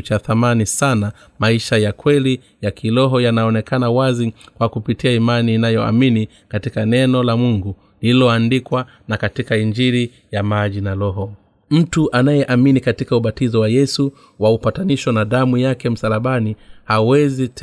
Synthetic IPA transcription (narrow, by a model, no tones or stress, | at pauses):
t͡ʃaθamanisana | maiʃajakwɛli | jakʰilɔɦɔjanaɔnɛkanawazikwakupitiaimaniːnajɔa̰mini | katikanɛnɔlamuŋɡu | lililɔandikwa | nakatikaiɲd͡ʒiɾi | jamaʄinalɔɦɔ | m̩tuʔanajɛʔaminikatikauɓatizɔwajɛsu | waupataniʃɔnaɗamujakɛm̩salaɓanihawɛzit